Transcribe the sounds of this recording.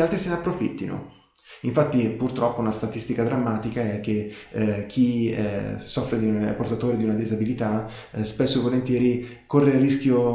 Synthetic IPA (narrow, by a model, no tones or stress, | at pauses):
alt̪ɾisenapːɾofḭt̪ːino̰ | iɱfat̪ːipurt̪ɾɔpːounast̪at̪ist̪ikad̪ɾamːaːt̪ikaɛk̟ːekʰːḭ | sɔfːɾed̪iunɛpːort̪at̪oːɾed̪iunad̪izabilit̪a | spesːovolent̪jɛːɾi | korːearːisk̟ʲjo